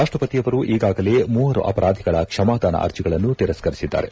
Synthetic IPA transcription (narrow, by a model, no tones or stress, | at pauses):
ɾaːʂʈɾɐpɐt̪ijɐʋɐɾuʔiːɡaːɡɐle̞ːmuːɐɾṵʔɐpɐɾʔaːd̪ʱiɡɐɭɐkʂɐmaːd̪aːnɐ̰ʔɐ̰ɾt͡ʃiɡɐɭɐnːut̪iɾɐsɡɐɾisid̪ːa̰ːɾe